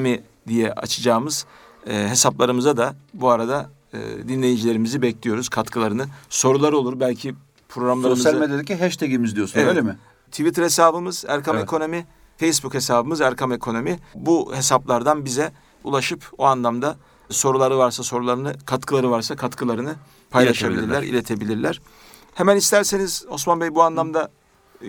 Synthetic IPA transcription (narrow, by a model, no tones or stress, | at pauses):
mi | d̪ijɛʔa̰t͡ʃʰɯd͡ʒaːmɯz̥ː | ɦe̞saplˠaɾɯmɯzad̪abuaɾad̪a̰ | d̪inlʲe̞jid͡ʒilʲe̞ɾimizibɛclʲijo̞ɾuz̥kʰat̪kʰɯlˠaɾɯnɯso̞ɾulˠaɾɯo̞lˠuɾbælʲcʰi | pʰɾo̞ɡɾamlˠaɾɯmɯzmed̪elɛcːiɦɛʃt̪ʰeɡimizd̪ijosuneølʲemɪ | t̪ʰivit̪ɾhe̞saːbɯmɯz̥æ̰ɾkʰamekʰo̞no̞mi | fejsbukhe̞saːbɯmɯzæɾkʰame̞kʰo̞no̞mibuhe̞saplˠaɾd̪anbizɛ | ṵlˠaʃɯpoanlˠamd̪a | so̞ɾulˠaɾɯvaɾsaso̞ɾulˠaɾɯnɯkʰat̪kʰɯlˠaɾɯvaɾsakʰat̪kʰɯlˠaɾɯnɯ | pʰajlˠaʃabilʲiɾllʲæɾḭlʲe̞t̪ʰe̞bilʲiɾlʲæɾ̥ | hemænist̪ʰæɾseniz̥o̞smanbɛjbuanlˠamd̪a